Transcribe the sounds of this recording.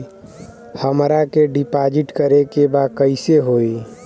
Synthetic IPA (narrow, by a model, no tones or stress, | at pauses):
həmɾakeɖipad͡ʒiʈkəɾekebakəɪseɦoi